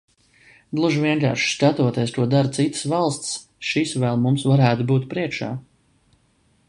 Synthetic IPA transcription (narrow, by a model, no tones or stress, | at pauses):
d̪lˠuʒviɛŋka̰ːɾʃskat̪uɔt̪est̪uɔd̪aɾt̪sit̪ə̥svalˠst̪s | ʃisvɛlˠmumsvaɾæːt̪ubuːt̪pɾiɛkʃa̰ː